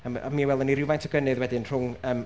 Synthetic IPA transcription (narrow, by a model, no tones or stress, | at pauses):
əma̰miːwɛlˠdɔniɾɪwvajntʰɔɡənɨðwɛdɪnr̥ʊŋəːm